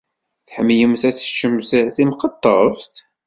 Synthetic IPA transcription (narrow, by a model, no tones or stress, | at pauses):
θħəmːjəmθæθə̥t͡ʃːəmθθimqɑt̪ˤːə̰vt̪